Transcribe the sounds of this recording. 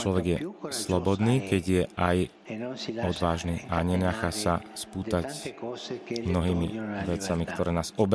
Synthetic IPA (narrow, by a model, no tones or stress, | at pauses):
t͡ʃlɔʋɛɡjɛslɔbɔd̪niːkɛɟjɛaj | ɔd̪ʋaːʒniːʔaɲɛɲaxasaspuːt̪ac | mnɔɦiːmiʋɛt͡samikt̪ɔɾɛːnaːzɔb